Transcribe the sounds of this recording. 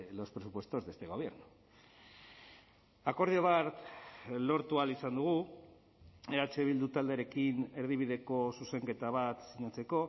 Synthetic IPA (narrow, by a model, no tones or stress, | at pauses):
lo̞spɾesupwest̪o̞zðest̪e̞ɣ̞o̞βje̞ɾnu | ako̞ɾð̞ioβaɾt̪lo̞ɾt̪ualisand̪uɣ̞u | eɾat͡ʃeβild̪ut̪ald̪eɾe̞kine̞ɾð̞iβiðe̞ko̞suse̞ŋke̞t̪aβ̞at̪siɲat͡se̞ko̞